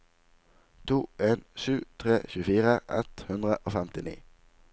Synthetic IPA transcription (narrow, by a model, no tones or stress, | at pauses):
t̪ʰuːʔeːnʃʉːt̪ʰʁeːçʉːəfiːʁəʔɛ̰t̪hʉnd̪ʁəʔoːfɛmt̪ɪnḭː